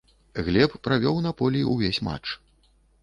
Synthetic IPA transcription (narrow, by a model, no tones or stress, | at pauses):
ɣlʲɛppːɾavʲɔwnapɔlʲiiuvʲesʲma̰t͡ʂ